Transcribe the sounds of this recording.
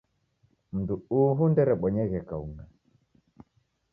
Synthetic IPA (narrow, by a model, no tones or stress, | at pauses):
m̩duuːɦundɛɾɛɓɔɲɛɣɛkauŋɡa